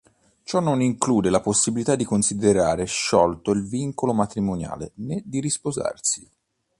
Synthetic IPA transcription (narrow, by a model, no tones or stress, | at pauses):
t͡ʃɔnːoniŋkluːd̪elaposːibilit̪ad̪ːikonsid̪eɾaːɾeʃːɔlt̪oilviŋkolomat̪ɾimonja̰ːlḛned̪ːiɾispoza̰rsi̥